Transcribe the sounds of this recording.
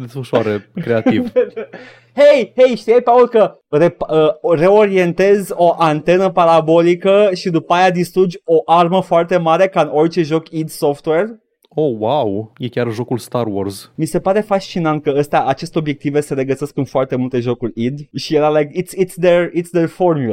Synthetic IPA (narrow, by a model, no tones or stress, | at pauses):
d̪esfəʃaɾekɾe̞ativ | hejhejʃt̪iejpaolkə | repəre̞o̞ɾie̞nt̪e̞zʲo̞ʔant̪e̞nəpaɾabo̞likəʃid̪upajad̪ist̪ɾud͡ʒʲo̞ʔarməfoart̪e̞maɾe̞kaɨno̞rt͡ʃe̞ʒokid̪so̞ft̪we̞r | owawjekʲarʒo̞kulst̪arworzmise̞paɾe̞faʃt͡ʃinant̪̚kəəst̪eaʔat͡ʃe̞st̪eobje̞k̚t̪ivese̞ɾe̞ɡəse̞skɨnfoart̪e̞mult̪e̞ʒo̞kurʲid̪ʃijelalajkit̪sit̪sd̪erit̪sd̪erfo̞rmjula